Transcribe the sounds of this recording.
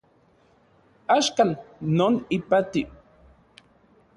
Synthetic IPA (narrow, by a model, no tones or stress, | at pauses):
aʃkalnonɪpat̪i